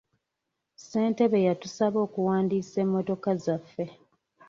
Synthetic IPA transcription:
se̞ːnte̞βe̞jatusaβo̞ːkuwaːndiːse̞mːo̞to̞kazafːe̞

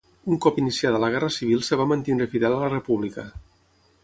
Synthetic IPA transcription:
uŋkɔpinisiaðələɣ̞ɛrəsiβ̞ilˠsəβ̞amənt̪ind̪ɾəfiðɛlələrəpuβ̞likə

